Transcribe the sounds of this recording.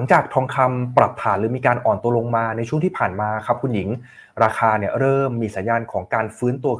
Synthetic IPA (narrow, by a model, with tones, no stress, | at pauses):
ŋt͡ɕaː˨˩k̚t̪ʰɔː˧ŋkʰa˧mpɾa˨˩p̚t̪ʰaː˩˦nɾɯː˩˦miː˧kaː˧nʔɔː˨˩nt̪u˧ɐlo˧ŋmaː˧na˧jt͡ɕʰu˥˩əŋʰiː˥˩pʰaː˨˩nmaː˧kʰa˦˥p̚kʰu˧nji˩˦ŋ | ɾaː˧kʰaː˧ni˥˩ɐəɾɤː˥˩mːiː˧sa˩˦njaː˧nkʰɔː˩˦ŋkaː˧nfɯː˦˥nt̪u˧ɐ